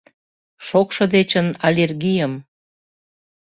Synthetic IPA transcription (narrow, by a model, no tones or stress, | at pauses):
ʃokʃɤ̆d̪et͡ɕənɑlʲerɣijəm